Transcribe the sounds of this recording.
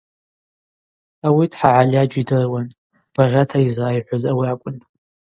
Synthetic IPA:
awidħaʕalad͡ʒidɨrwan | b̥aʁʲatʰaizrajħʷazawiakʷʼʊn

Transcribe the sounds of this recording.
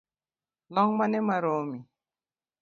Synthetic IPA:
lɔŋmanɛmaɾomi

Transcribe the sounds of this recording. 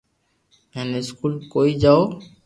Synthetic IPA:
ɛneskulkojd͡ʒao

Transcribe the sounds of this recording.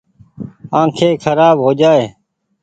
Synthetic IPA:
ãːkʰeːkʰəɾaːbɦoːd͡ʒaːeː

